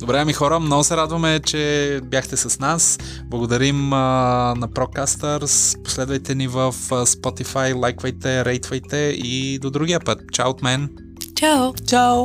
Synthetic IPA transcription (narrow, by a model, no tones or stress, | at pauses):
d̪̥obɾɛəmixɔɾəmnɔɡosɛɾad̪vɐmɛt͡ʃɛbjaxt̪ɛsɐsnas | blˠɐɡod̪ɐɾimənɐpɾɔt̪̚kast̪əɾspo̥slɛd̪vɐjt̪ɛnivəfspɔt̪ifajlˠajkvɐjt̪ɛɾɛjt̪vɐjt̪ɛid̪od̪ɾuɡʲijəpət̪̚t͡ʃawot̪mɛn | t͡ʃawt͡ʃaw